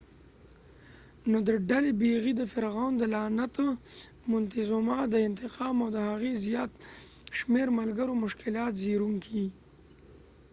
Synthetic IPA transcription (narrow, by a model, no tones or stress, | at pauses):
nod̪əɖalebeɣid̪əfɪɾɣɑnd̪əlɑnat̪o | mʊnt̪ɪzomɑd̪əɪnt̪ɪqɑːmawd̪əhaɣezjɑːt̪ʃmeɾmalɡəɾomʊʃkɪlɑːt̪ziɾuŋkʰi